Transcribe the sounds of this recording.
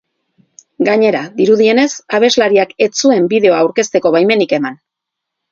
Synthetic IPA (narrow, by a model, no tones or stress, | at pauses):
ɡaɲe̞ɾaðiɾuð̞ie̞ne̞saβe̞zlaɾiake̞t͡sue̞mbiðe̞o̞aːwɾke̞st̪e̞ko̞βajme̞nike̞man